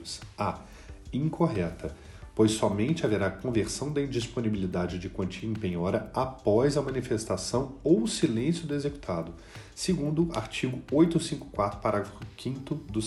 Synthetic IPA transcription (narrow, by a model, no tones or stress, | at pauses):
sa | ĩŋkʰoɦɛt̪ʰɐ | pojsːɔmẽnt͡ʃɪaveɾaːkõveɾsɐ̃w̃d̪ɐĩd͡ʒisponibilid̪ad͡ʒɪd͡ʒɪkwɐ̃nt͡ʃiɐẽpẽɲɔɾɐapɔzɐmɐ̃nifest̪asɐ̃w̃owʊsilẽsjʊd̪ʊezeku̥t̪ʰad̪ʊ | seɡũnd̪ʊa̰ɾt͡ʃiɡʊojt̪ʊosĩŋkʊkwat̪ɾʊ̥paɾaɡɾɐfʊkʰĩnt̪ʊd̪ʊ